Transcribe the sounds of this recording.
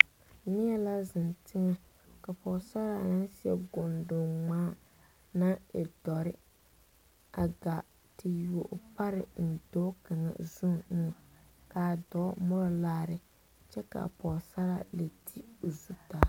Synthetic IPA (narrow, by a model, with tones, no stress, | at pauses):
nɪ˦ɛ˦la˦zɪ˨ntʰɪ˦ŋa˦ | ka˨pɔː˨sa˦ɾa˨nɪ˦nsɪ˦ɛ̰˦ɡʊ˨ndʊ˨ŋ͡maː˦ | na˦ɛ̰˨dɔ˨ɾɪ˦ | a˨ɡa˨ | tʰɪ˨ju˨o˨ʔpa˦ɾɪ̰˨n̩˨do˦ka˨ŋa̰˨zu˦n˦nɪ˨ | ka˨dɔ˦mɔ˦ɾɔ˦laː˦ɾɪ˦ | t͡ʃɛ˦ka̰˨pɔ˨sa˦ɾa̰˦le˨tʰi˦o˨zu˦ta˨